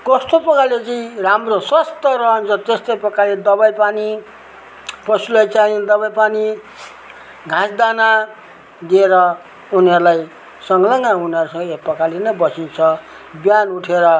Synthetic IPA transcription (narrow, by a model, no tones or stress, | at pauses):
kʌst̪opʌkalet͡siĩramrosʌst̪ʌɾʌɦʌnt͡sʰʌt̪est̪ʌjpʌkaled̪ʌbajpani | pʌsulajt͡said̪ʌβajpani | ɡʱãsd̪ana | d̪ieɾʌ | uniɦʌɾulaj | sʌŋɡlʌŋauniʌɾusʌ̃ŋɡʌepʌkalinʌbʌsint͡sʰʌ | bjanuʈʰeɾʌ